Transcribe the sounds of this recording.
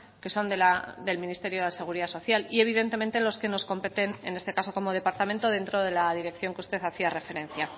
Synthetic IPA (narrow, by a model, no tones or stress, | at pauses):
ke̞so̞nd̪elad̪e̞lmĩnist̪e̞ɾjo̞ðese̞ɣ̞uɾiðaso̞θjalie̞β̞iðe̞nt̪e̞ment̪e̞lo̞ske̞no̞sko̞mpe̞t̪e̞ne̞ne̞st̪ekaso̞ko̞mo̞ð̞e̞paɾt̪ament̪oð̞e̞nt̪ɾo̞ð̞e̞laðiɾe̞kθjo̞ŋkeust̪e̞θaθiare̞fe̞ɾe̞nθja